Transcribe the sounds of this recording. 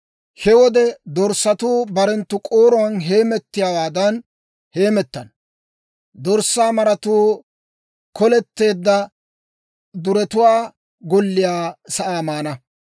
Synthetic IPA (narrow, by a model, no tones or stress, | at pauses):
hɛwɔd̪ɛd̪ɔɾsːɐt̪uːbɐɾɛnt̪ːʊkʼoːɾɔwɐnɦe̞ːmɛt̪ːɪjaːwaːd̪ɐn | he̞ːmɛt̪ːɐn | d̪ɔɾsːaːmɐɾɐt̪uː | kɔlɛt̪ːe̞ːd̪ːɐ | d̪ʊɾɛt̪ʊwaː | ɡɔlːɪjaːsɐʔaːmaːnɐ